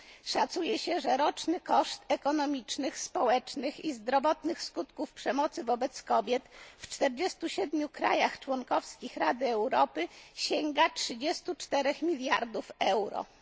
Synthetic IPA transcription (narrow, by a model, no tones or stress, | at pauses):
ʂat̪sujɛɕɛʐɛɾɔt͡ʂnɘkɔʂt̪ɛkɔnɔmʲit͡ʂnɘxspɔwɛt͡ʂnɘxizd̪ɾɔvɔt̪nɘxskut̪kufpʂɛmɔt̪sɘvɔbɛt̪skɔbʲjɛt̪ft͡ʂt̪ɛɾd͡ʑɛst̪uɕɛd̪mʲjukɾa̰jaxt͡ʂwɔŋkɔfskʲixɾad̪ɘɛwɾɔpɘɕɛŋɡatʂɘd͡ʑɛst̪ut͡ʂt̪ɛɾɛxmʲilʲjaɾd̪ufɛwɾɔ̰